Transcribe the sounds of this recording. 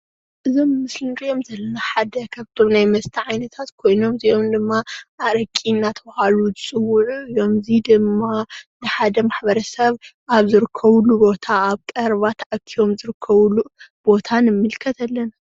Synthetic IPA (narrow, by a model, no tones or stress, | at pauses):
ʔɨzo̞mːɨslɨnkʼijo̞mzɐlːɐnaħad̪ɐkʰaβt̪ʰo̞mnajmɐst̪ʰiʕajnɐt̪ʰat̪kʰo̞jno̞mzio̞md̪ɨmːaʔaɾɐkʼinːat̪ʰɐbɐhaluzɨt͡sʼɨwːuʕuɨjo̞mɨzid̪ɨmːanɨħad̪ɐmaħbɐɾɐsɐβʔaβzɨɾɨkʰːɐβlubo̞t̪ʰaaβkʼɐɾβat̪ʰʕakʰːijo̞mzɨɾɨkʰːɐβulub̥o̞t̪ʰanɨmːɨlkʰɐt̪ʰalːɐna